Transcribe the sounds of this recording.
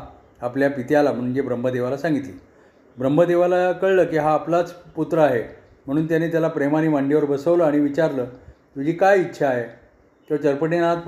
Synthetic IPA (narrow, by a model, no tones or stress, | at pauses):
apljapit̪ealam̤əɽ̃uːnd͡ʑebɾəmbʱəd̪eʋalasãŋɡit̪liː | bɾəmbʱəd̪eʋalakəɭləːkiːɦaːplat͡sput̪ɾəaɦe | m̤əɽ̃uːnt̪janeːt̪jalapɾemaniːʋaɳɖeʋəɾbəsəʋləaɽ̃iʋit͡ɕaɾləː | t̪ud͡ʑiːkajitːɕʰaːɦe | t̪jɔt͡ɕəɾpəʈenat̪